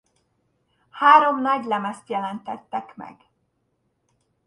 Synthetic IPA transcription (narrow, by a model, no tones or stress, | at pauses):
haːɾo̞mnɒɟlɛmɛst̪jɛlɛnt̪ɛt̪ːɛkmɛ̰ɡ